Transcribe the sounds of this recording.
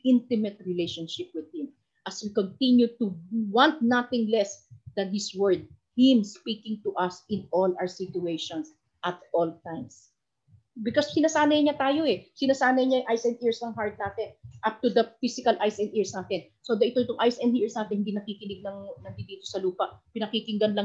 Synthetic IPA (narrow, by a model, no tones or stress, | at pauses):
ʔɪ̃nt̪ɪmɛt̪̚ɹɪlejʃonʃɪp̚wɪd̪̚hɪ̃m | ʔɐswikɔnt̪ɪ̃njut̪ʊwãnt̪̚nɐt̪ɪ̃ŋlɛsd̪ɐnhɪswɛɹd̪̚ | hɪ̃mspiːkɪ̃ŋt̪ʊʔɐsɪ̃nolʔa̰wəɹsitʊejʃõns | ʔɐt̪̚ʔolt̪ãjms | bɪkossɪnɐsaːnɐjɲɐt̪aːjo̞ɛsɪnɐsaːnɐjɲɐjʔajsɛnd̪iɹsnɐŋɦaɹt̪̚naːt̪ɛnʔap̚t̪ud̪ɐfisɪkɐlʔajsɛnd̪iɹsnaːt̪ɛn | sod̪ɐʔɪt̪oɪt̪oŋʔajsɛnd̪iɹsnaːt̪ɪɛnhɪnd̪inɐkikɪnɪɡ̚nɐŋnɐŋd̪ɪnd̪iːt̪o̞sɐluːpɐʔpɪnɐkikɪŋɡɐnlɐ